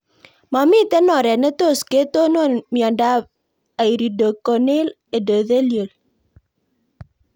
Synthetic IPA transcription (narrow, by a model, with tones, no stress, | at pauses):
ma˨mi˦te˦nɔ˨ɾɛ˨ne˦to˦˨ske˨˦to˦no˦˨mjɔ˨nda˦ | a˨i˨ɾi˨do˨ko˨ne˦l | e˨do˨ðe˦ljo˨l